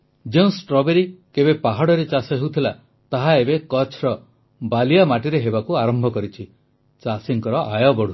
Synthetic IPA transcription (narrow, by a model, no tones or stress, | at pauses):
d͡ʒeũsʈɾɔbeɾikebepaɦaɽɔɾet͡ʃasɔɦewt̪ʰila | t̪aɦaebekɔt͡ʃʰɾɔ | balijamaʈiɾeɦebakuaɾɔmbʱɔkɔɾit͡ʃʰi | t͡ʃasiŋkɔɾɔʔajɔbɔɽ̤u